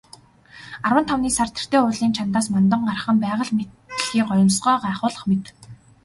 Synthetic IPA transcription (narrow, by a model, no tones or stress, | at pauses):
arwə̆nt̪ʰawniːsart̪ʰĕ̥r̥t̪eːʊːɮiːnt͡ɕʰant̪aːsmant̪̬ə̆ɴɢarə̆χə̆mpæːʁə̆ɮmet̪ɘ̆ɮxiːɢɔj̆nsɢœːɢæːχʊːɮə̆χmet̪